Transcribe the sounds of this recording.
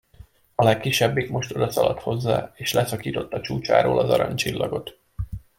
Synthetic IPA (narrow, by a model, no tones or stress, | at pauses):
ɒlɛkːiʃːɛbːikmo̞ʃt̪o̞d̪ɒsɒlɒt̪ho̞zːaːeːʃlɛsɒkiːt̪o̞t̪ːɒt͡ʃuːt͡ʃa̰ːɾoːlɒzɒɾɒɲt͡ʃilːɒɡo̞t̪